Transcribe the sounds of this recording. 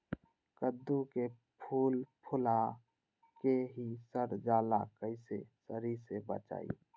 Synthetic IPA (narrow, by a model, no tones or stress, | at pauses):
kəd̪ːuke | pʰuːlpʰʊla | keɦisəɾd͡ʒaːlakəɪsesəɾisebə̰t͡ʃa̰ːḭ